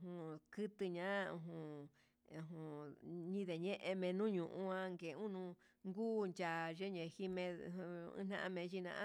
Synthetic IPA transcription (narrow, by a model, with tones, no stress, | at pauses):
hũ˧˨kɨ˦t̪ɨ˧ɲã˦ũ˧ɦũ˧ | ũ˧ɦũ˨ɲĩ˧ðe˨ɲẽ˦ʔe˧mẽ˧nũ˦ɲũ˨ʔũ˧ã˧ŋɡe˨˧ũ˦nũ˧ | ŋɡuː˦nt͡ʃa˨ʒe˦ɲẽ˨hi˧mẽ˧ṵ̃˧˦n̥ã̰˦˧ʔã˧mẽ˧ʒi˧nã̰˧ʔã˦